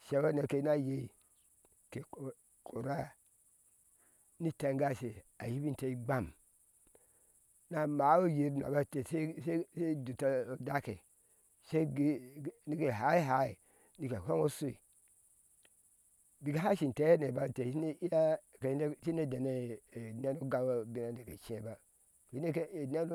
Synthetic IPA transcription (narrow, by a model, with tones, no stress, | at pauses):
ʃe˨˦wo˦ne˨ke˨i˦na˦je˦i˨ | ke˨ | ko˨ɾa˦ | ni˦ta˨ŋɡa˦se˨a˨ji˦bi˦n˨te˨i˦ɡ͡ba˦˨m | na˦ma˨˦wo˦ji˨ɾna̰˨ba˦te˨se˦se˦se˦du˨ta˦o˨da˦kḛ˨ | se˦i˦ɡni˦ke˨ɦa˨˦i˦ɦa˨˦i˨ | ni˨ke˨ho˦ŋo˦su˦ḭ˨ | bi˨ɡe˨˦ɦa˦ʃi˨n˨te˨˦e˦ne˨ba˦˨te˨˦ne˦i˦ja˦˨ke˨˦e˦ʃi˦ne˦de˨ne˦˨ne˦no˦ɡa˦wa˦bi˦na˦˨nde˨kḛ˨t͡ʃe˦ba˦˨ | i˦ne˦ke˦˨ne˦no˦